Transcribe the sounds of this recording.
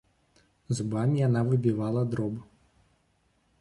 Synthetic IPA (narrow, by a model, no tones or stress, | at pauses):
zubamʲijanavɨbʲivalˠɐd̪ɾɔbɨ